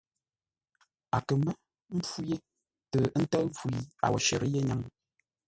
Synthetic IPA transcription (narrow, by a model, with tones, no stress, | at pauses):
a̰˨kə˨mɛ˦ | m̩˦pu˦je˦ | tə˨˦n̩˦tə˦vu˨i˨a̰˨wɔ̰˨ʃə̰˨ɾə˦je˦ɲa˨ŋ